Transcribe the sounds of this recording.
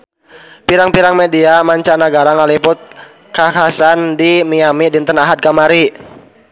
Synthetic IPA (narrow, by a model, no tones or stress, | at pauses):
piɾaŋpiɾaŋmediamaɲt͡ʃanaɡaɾaŋalipʊt̪̚ | kakasandimiamidint̪ənaɦad̪̚kamaɾi